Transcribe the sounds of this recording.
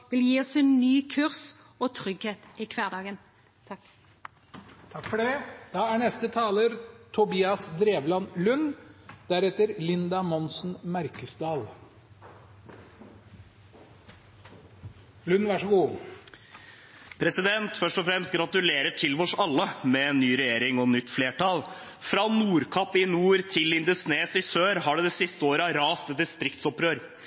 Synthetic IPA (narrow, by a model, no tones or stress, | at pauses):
ʋɪljiːɔseːnnyːkʰʉʁs | oːt̪ʰʁʏɡheːt̪ɪkʰʋæːd̪ɑːɡənʰ | t̪ʰɑkfɔɖɛd̪̥ɑːæːɳɛst̪ət̪ʰɑːləɾt̪ʰʊbiːɑsd̪ɾeːʋlɑnlʉnd̪̥æɾɛt̪əɾlɪnd̪ɑmɔnsn̩mæɾkəsd̪ɑːl | lʉnʋæʂɔɡuː | pʰɾɛsɪd̪ɛnt̪fœʂʈɔfɾɛmst̪̚ɡɾɑt̪ʉleːɾəʈʰɪlʋɔʂɑlːəmɛnːyːɾɛjeːɾɪŋɔnʏt̪ːfleːʈɑlfɾɑːnuːɾkʰɑpːɪnuːɾt̪ʰɪlːɪnd̪ʉsneːsɪsøːɾɦɑɖɛd̪ɛsɪst̪əoːɾəɾɑːst̪ɛt̪̚d̪ɪst̪ɾɪkt̪sɔpɾøːɾ